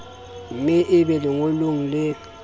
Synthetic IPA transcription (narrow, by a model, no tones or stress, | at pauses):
meʔɪbɛleŋoloŋ̩le